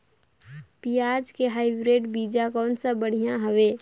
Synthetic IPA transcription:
pijaːd͡ʒkeɦaːɪbɾeːɖbiːd͡ʒakɔːnsabəɽ̤ijãɦəʋeː

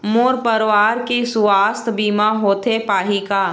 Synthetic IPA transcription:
moːɾpəɾʋaːɾkesʊʋaːst̪ʰbiːmaɦoːt̪ʰepaːɦikaː

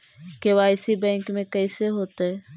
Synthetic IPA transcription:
keʋaɪsibɛ̃ːŋkmẽkəɪseɦoːt̪ɛ

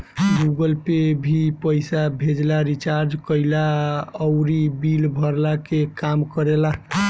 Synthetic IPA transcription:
ɡuɡəlpebʱipəjsabʱed͡ʒlaɾit͡ʃaɾd͡ʒkəɪlaəʊɾibilbʱəɾlakekamkəɾela

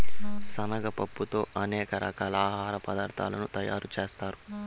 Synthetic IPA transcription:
sɐnɐɡɐpɐpːut̪o̞ːʔɐnɛːkɐɾʔɐ̰kaːlaːɦaːɾɐpɐd̪aːɾt̪ʰa̰ːlɐnut̪ɐja̰ːɾut͡ʃe̞ːst̪aːɾu

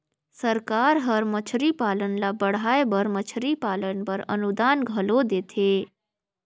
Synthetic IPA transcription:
səɾkaɾɦəɾmət͡ʃʰɾipaːlənlabəɽ̤aːebəɾmət͡ʃʰɾipaːlənbəɾə̰nud̪aːnɡʱəlod̪eːt̪ʰe

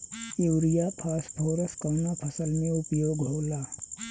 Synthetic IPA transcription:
ewɾijapʰaːspʰoːɾəskɐwnapʰɐsəlmẽʊpjoːɡɦoːlaː

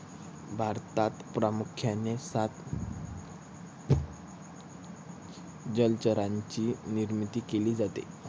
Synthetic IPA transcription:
bʱaɾt̪at̪pɾamukʰjanesat̪ | d͡ʑəlt͡ɕəɾaɲt͡ɕiːniɾmit̪iːkeliːd͡zat̪ḛ

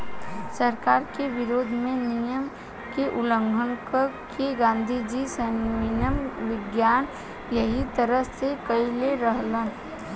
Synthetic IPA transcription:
səɾkaːɾkeʋɪɾoːd̪ʱmẽnijəm | keʔʊlə̃ŋɡʱənkəkʰeɡãːnd̪ʱid͡ʒisəɪnəmʋɪɡjaːn | jəɦit̪əɾəsekəileɾəɦlən

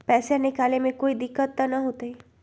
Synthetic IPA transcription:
pɛːsjãnɪkaːlemẽkoːid̪ɪkːət̪ːənəɦoːt̪ei

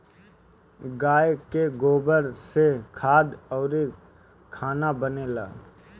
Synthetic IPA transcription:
ɡaːjkeɡoːbəɾsekʰaːd̪ɔːɾe | kʰaːnabəneːlaː

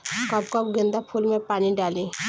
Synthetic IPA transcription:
kɔp̚kəpɡɪ̃nd̪apʰulmẽpaːniɖaːlĩː

